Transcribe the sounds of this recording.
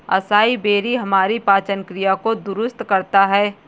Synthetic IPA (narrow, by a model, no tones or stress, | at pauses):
ɐsaːibeːɾiɦɐmaːɾipaːt͡ʃənkɾijakod̪ʊɾʊst̪kɐɾt̪aɦɛː